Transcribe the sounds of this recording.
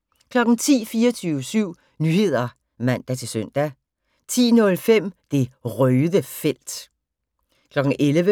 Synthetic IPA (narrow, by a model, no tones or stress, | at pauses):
kʰlɒ̽ɡ̥n̩t͡sʰḭːfiːɐt͡sʰyʊəsyʊ̰ | nyːhe̝ð̞̰ˠɐ | mæn̰d̥æt͡sʰe̝lsøn̰d̥æ | t͡sʰḭːnɔ̽lfem̰d̥e̝ʁœːðˠəfel̰d̥ | kʰlɒ̽ɡ̥ŋ̩ʔelʋə